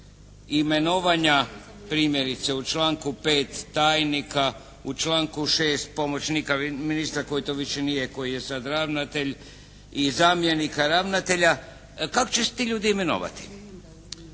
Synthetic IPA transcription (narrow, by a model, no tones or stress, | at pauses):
ime̞noʋaɲa | pɾiːmje̞ɾit̪se̞ut͡ʃlaːŋkupe̞ːt̪ːaːjnika | ut͡ʃlaːŋkuʃeːst̪̚po̞mo̞t͡ɕnikaminist̪ɾako̞jit̪oʋiʃenijeko̞jijesad̪ɾaːʋnat̪e̞ʎ | izamje̞nikaɾaːʋnat̪e̞ʎa | kakot͡ɕese̥t̪iʎuːd̪iime̞no̰ʋa̰t̪i̥